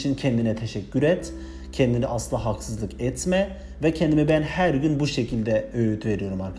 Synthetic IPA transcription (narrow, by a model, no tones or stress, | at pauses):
t͡ʃʰincʰɛnd̪inɛt̪ʰeʃɛcʰːyɾɛt̪ | cʰɛnd̪iniʔasɯlˠaɦaksɯzlˠɯkɛt̪ʰmɛ | vɛcʰɛnd̪imibænhæɾɟynbuʃecʰilʲd̪ɛøjyt̪ʰve̞ɾijo̞ɾumaɾ